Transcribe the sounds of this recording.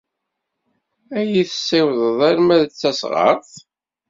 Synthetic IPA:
æjiθə̥sːɪwðˤəðˤæɾmæðət͡sːæsʁə̰ɾˤθ

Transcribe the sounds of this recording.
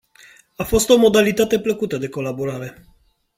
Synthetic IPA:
afost̪omod̪alit̪at̪epləkut̪əd̪ekolaboɾaɾe

